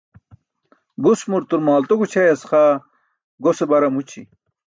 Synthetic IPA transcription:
ɡusmuɾt̪uɾmaːlt̪oɡut͡ɕʰɐjɐsχa | ɡosebɐɾɐmut͡ɕʰḭ

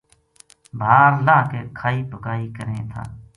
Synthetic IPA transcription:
bʱaːɾlaːkeːkʰaːiːpʊkaːiːkəɾẽːt̪ʰa̰ː

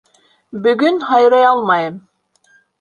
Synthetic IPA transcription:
bɵ̆ɡɵnɦɑjɾɑjɑlˠmɑjɤm

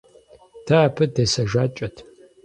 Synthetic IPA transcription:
d̥ʰaːpʰɨdesɐʒaːt͡ʃʼɐtʰ

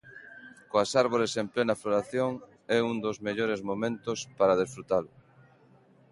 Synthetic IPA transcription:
koasaɾβ̞oɾesemplenɐfloɾaθjoŋ | ɛund̪ozmeʎoɾezmomẽnt̪ʊspaɾað̞esfɾut̪alʊ

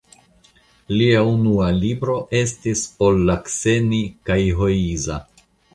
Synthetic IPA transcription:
liaunualibɾo̞ʔe̞s̬tiso̞lːakse̞nikajɦo̞iza

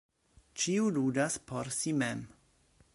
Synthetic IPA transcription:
t͡ʃiuludaspʰoɾsimem

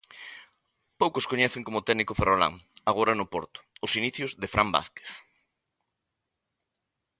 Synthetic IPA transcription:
powkʊskoɲɛθɪŋkomʊt̪ɛnikʊferola̰ŋaɣ̞oɾɐnʊpoɾt̪ʊ̥ʊsiniθjʊzðɪfɾʔamba̰θke̥θ

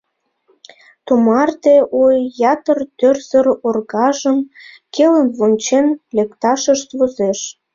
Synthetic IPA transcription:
t̪umɑrt̪eʔojːɑt̪ərt̪ørzəɾorɣɑʒəm | kʰelənβonʲt͡ɕenlekt̪ɑʃəʃt̪vozeʃ

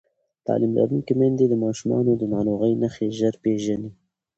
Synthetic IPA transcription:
t̪ɑ̰ːlimla̰ɾunkemend̪ed̪əmɑːʃumɑ̰ːnod̪ənɑːloːɣəjnaxeʒaɾpeʒani

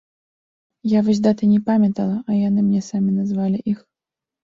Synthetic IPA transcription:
javɨzʲd̪at̪ɨnʲɛpamʲɐt̪ɐlˠɐʔɐjanɨmnʲɛsamʲinazvalʲiʔix

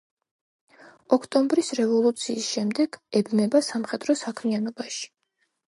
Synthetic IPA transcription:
ɔkʰt̪ʼɔmbɾisɾɛvɔlˠut̪sʰiːsʃɛmd̪ɛɡ̥ɛbmɛbasamχɛd̪ɾɔsakʰmianɔbaʃi̥

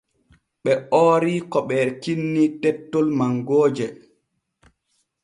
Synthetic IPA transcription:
ɓɛɔːɾikɔɓɛɾkinːitɛtːɔlmaŋɡoːd͡ʒɛ

